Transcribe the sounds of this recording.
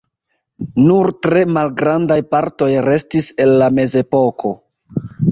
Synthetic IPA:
nuɾtɾe̞malɡɾandajpaɾto̞jɾe̞stise̞nːame̞ze̞po̞kʰo̞

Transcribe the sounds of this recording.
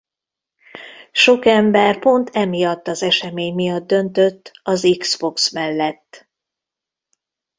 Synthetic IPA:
ʃo̞kɛmbɛrpo̞nt̪ʰɛmijɒt̪ːɒzɛʃɛmeːɲmijɒd̪ːø̞nt̪ø̞t̪ːɒziksbo̞ksmɛlːɛt̪ː

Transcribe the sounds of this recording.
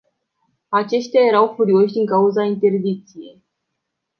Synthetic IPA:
at͡ʃe̞ʃt̪eaje̞ɾawfuɾio̞ʃʲd̪iŋkauzaint̪e̞rd̪ik̚t̪sije̞j

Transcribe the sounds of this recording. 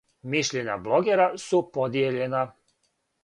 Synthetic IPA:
miʃʎeɲa̰blˠo̞ɡeɾasupod̪jeʎe̞na

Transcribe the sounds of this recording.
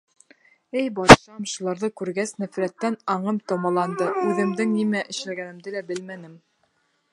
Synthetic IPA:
ɘjbɑt̪ʃɑmʃulˠɑɾðɤkʉɾɡæsnæfɾæt̪ːænɑɴɤmt̪ŏmɑlˠɑnd̪ɤʉðɘ̆md̪ɘŋnimæʔɘ̆ʃlæɡænɘ̆md̪ɘlæbɘlmænɘm

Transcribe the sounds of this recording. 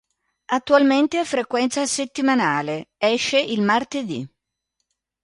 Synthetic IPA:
at̪ːualment̪eafɾekwɛnt̪saset̪ːimanaːleɛʃːeʔilmart̪ed̪ḭ

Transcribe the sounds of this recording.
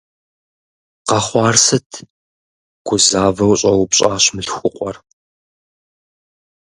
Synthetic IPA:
qɐχʷɑːrsɨtʰ | ɡ̥ʷʊzaːvɐwɕʼɐwpɕʼaːɕmɨɬxʷʊqʷʼɔr

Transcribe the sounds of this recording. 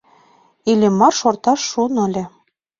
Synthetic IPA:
ilʲĕmːɑrʃort̪ɑʃːunɤ̆lʲĕ

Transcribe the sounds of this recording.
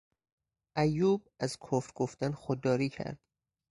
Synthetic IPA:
ʔæjːuːb̚ | æzkʰofɾɡoft̪ænxod̪ːɒːɾiːcʰæ̰ɾd̪̥

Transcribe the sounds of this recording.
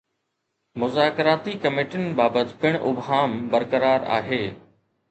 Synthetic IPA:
mʊzaːkɾaːt̪ikɐmeːʈənɪ̆baːbət̪pɪɽ̃ʔʊbɦaːmbɐɾkəɾaːɾa̰ːɦeː

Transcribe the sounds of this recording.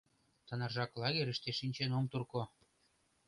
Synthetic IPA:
t̪ɤ̆nɑ̆rʒɑklɑɣeɾə̆ʃt̪eʃinʲt͡ɕenomt̪urko

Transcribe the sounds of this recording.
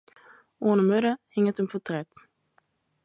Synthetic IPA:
oːnəmɵɾəhɪŋətənpʰɔtrɛt

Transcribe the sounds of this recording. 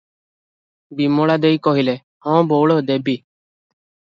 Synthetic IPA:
biːmoːɭad̪eikɔɦilɛː | hɔ̃ːboːɭoːd̪eːbiː

